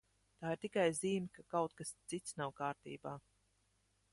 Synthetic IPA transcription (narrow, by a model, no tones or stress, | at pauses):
t̪aːiɾt̪ikajziːmʲikakawt̪̚kast̪sit̪snawkaːɾt̪ḭːbaː